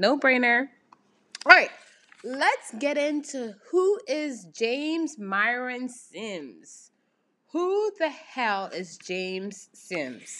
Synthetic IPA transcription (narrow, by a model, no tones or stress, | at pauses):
noʊbɹẽɪ̃nə˞ | ɑɹaɪt̚ | lətsɡ̥ɛɾɪ̃ntʰuhuɪzd͡ʒẽɪ̃mzmaɪɹɨ̃nsɪ̃mz̥ | huðɨhɛlˠɪzd͡ʒẽɪ̃mz̥sɪ̃mz̥